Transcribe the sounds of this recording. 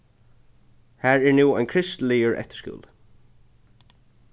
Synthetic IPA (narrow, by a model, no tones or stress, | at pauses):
hæːɹɛɹnuːajnkʰɾɪst̪lɪjəɹʔɛ̰ht̪ɪ̥skʊ̰ːl